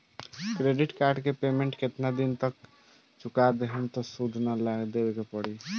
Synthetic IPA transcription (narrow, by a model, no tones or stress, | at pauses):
kɾeɖiʈkaɾɖkepemẽɳʈket̪nad̪int̪ək | t͡ʃʰukad̪eɦəmt̪ɔsud̪ʱnalaɡd̪ebekepəɽi